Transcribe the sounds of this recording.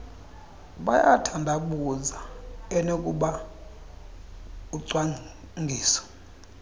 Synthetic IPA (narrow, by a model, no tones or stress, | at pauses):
ɓajatʰandʱakuzaɛnokʼuɓa | uǀwa | ŋɡʱiːsɔ̥